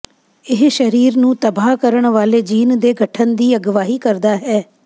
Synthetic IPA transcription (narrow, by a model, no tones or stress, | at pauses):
ɪɦʃəɾiːɾnũːt̪əbaːkəɾəɳʋaːleːd͡ʒiːnd̪eːɡʱəʈʰənd̪iːəɡʋaːɦiːkəɾd̪aːɦɛː